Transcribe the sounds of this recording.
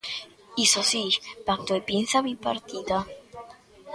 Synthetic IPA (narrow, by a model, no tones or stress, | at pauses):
isosipak̚t̪oepjensaβipa̰ɾt̪iða